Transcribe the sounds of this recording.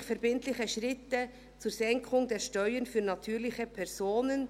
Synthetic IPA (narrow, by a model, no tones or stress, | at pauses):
çfɛɐɾbɪntlɪçəʃʁɪtə | t͡suːɾz̥ɛŋkʰʊŋdeːʃtœʏənfyːnɑtʰyːɾlɪçəpʰɛʁz̥oːnən